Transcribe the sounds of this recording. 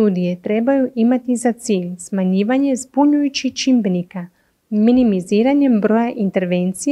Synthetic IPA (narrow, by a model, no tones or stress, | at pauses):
t̪ud̪ijet̪ɾe̞bajuʔimat̪izat̪siːʎsmaɲiːʋaɲe̞zbuɲujut͡ʃit͡ʃimbenika | minimiziːɾaɲe̞mbɾo̞jaʔint̪e̞ɾʋent̪sij